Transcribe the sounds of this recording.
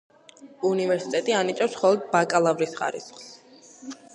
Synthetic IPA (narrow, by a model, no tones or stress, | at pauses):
univɛɾsi̥t̪ʼɛt̪ʼianit͡ʃ̪ʼɛpsχɔlˠɔd̪̚bakʼalˠavɾisχa̰ɾḭsχs